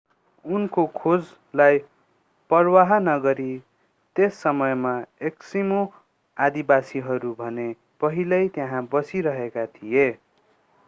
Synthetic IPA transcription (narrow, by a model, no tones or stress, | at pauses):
unkokʰod͡z | laj | pʌrwaɦʌnʌɡʌɾi | t̪esːʌmʌjmaeksimo | ad̪ibasiɦʌɾubʱʌne | pʌɦilʌjt̪eɦãbʌsiɾʌɦekat̪ʰije